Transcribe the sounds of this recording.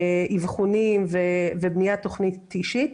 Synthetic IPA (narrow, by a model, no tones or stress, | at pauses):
ʔivχunimvevebnijat̪o̞χnit̪iʃit̪